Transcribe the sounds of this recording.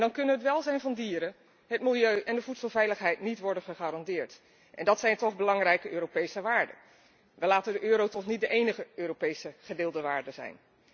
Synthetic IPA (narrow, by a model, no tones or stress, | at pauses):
ndɑnkɵnənɦətʋɛlˠzɛjnvɑndiːɾə | ɦətmɪlˠjøɥʔɛndəvutsəlˠvɛjləχɦɛjtnitʋɔɹdənχəχaːɾɑndɪːɹt | ʔɛ̰ndɑtsɛjntɔχbəlɑŋrɛjkəøːɾopejsəʋaːɹdə̰ | ʋəlaːtədəʔøːɾowtɔχnit̚dəʔejnəχəøːropejsəχədɪːlˠdəʋaːɹdəzɛ̰jn